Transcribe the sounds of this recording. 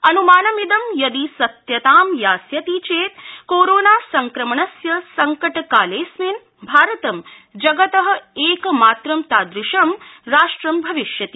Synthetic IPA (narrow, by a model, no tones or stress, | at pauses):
ɐnumaːnɐmid̪ɐmjɐd̪isɐt̪jɐt̪aːmjaːsjɐt̪it͡ʃeːt̪koːɾoːnaːsɐŋkɾɐmɐɳɐsjɐsɐŋkɐʈkaːleːsmin | bʱaːɾɐt̪ɐm | d͡ʒɐɡɐt̪ɐɦɐ̆eːkmaːt̪ɾɐmt̪aːd̪ɾɪʃɐmɾaːʂʈɾɐmbʱɐʋiʃjɐt̪i